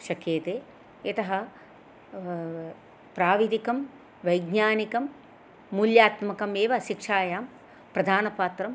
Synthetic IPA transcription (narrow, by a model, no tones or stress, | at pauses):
ʃɐkeːt̪eː | et̪ɐɦɐ | pɾaːʋid̪ikɐm | ʋɐjɡɲaːnikɐmː | uljaːt̪mɐkɐmeːʋɐʃikʂaːjaːm | pɾɐd̪ʱaːnɐpaːt̪ɾɐm